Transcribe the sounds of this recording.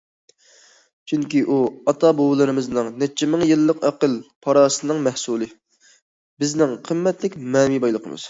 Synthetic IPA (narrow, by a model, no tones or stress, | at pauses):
t͡ʃʰyŋkʲiʔuɑt̪ʰɑbowlˠɨɾɨmɨznɨŋnɛt͡ʃʰːɛmɪŋjɨlˠːəqɛqəlˠpʰɑɾɑːsɨnɨŋmɛhsulˠɨ | bɪznɪŋqʰəmːɛt̪lɪkʲmɛːmibɑjlˠəqʰə̰mɨ̰z̥